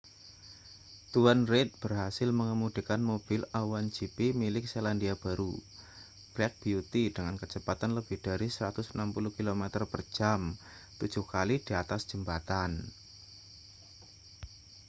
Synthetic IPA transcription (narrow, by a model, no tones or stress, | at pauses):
t̪uanret̪̚b̥ərɦasɪlməŋəmud̥i̤kanmob̥ɪlawand͡ʒipimilɪk̚selandiab̥aɾu | b̥lɛk̚b̥iut̪idəŋankət͡ʃəpat̪anləb̥ɪhd̥aɾisəɾat̪ʊsənampuluhkilomɛt̪ərpər̥d͡ʒ̥am | t̪u̥d͡ʒ̥uhkalid̥iat̪asd̥ʒ̥əmbat̪an